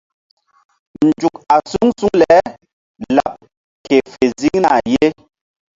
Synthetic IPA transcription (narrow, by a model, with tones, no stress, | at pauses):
n˨d͡ʒu˨k̚a˨su˦ŋsu˦ŋlɛ˨˦ | la̰˨p̚ | ke˨fe˨zi˦ŋna˨je˦